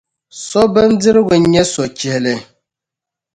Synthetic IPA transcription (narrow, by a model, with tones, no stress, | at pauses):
sɔ˦bɛ˦n˦dɨ˦ɾɨ˦ɡʊ˨˦ɲɛ˦sɔ˨t͡ʃɛ˨hlɨ˨